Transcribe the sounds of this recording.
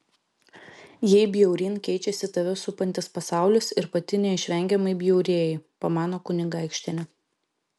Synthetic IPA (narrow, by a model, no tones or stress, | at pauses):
jɛɪbʲjɛʊɾʲiːnkʲɛɪt͡ʃʲɛsʲɪt̪ɐʋʲɪsʊpɐnʲt̪ʲɪspɐsɑˑʊlʲʊsɪɾpɐt̪ʲɪnʲɛɪʃʲʋʲɛŋʲɡʲɛmɐɪbʲjɛʊɾʲeːjɛɪpomɑːnoːkʊnʲɪɡˑɪkʃʲt̪ʲɛnʲɛ